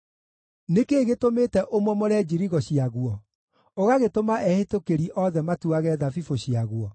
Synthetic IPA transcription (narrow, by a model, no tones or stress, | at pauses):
nekeːɣetometɛʔomwɔmɔɾɛd͡ʑiɾiɣɔɕiaɣwɔ | oɣaɣetomaʔɛhetokeɾiʔɔðɛmatuaɣɛðafifoɕiaɣwɔ